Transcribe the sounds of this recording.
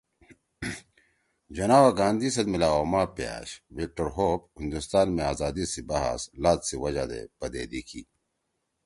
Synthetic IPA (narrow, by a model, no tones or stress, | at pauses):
d͡ʑɐnaːwaɡãːnd̪isɐd̪milaːoːmaːpja̰ːɕʋik̚ʈɐɾɦoːp̚hĩnd̪ust̪aːnmeaːzaːd̪isibaɦa̰slaːt̪siwɐd͡ʑad̪ḛbɐd̪ḛːd̪ikʰḭ